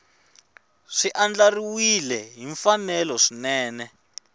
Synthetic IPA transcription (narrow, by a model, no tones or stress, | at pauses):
ʂiʔand͡ɮariwilɛɦiɱfanɛlɔʂinɛːnɛ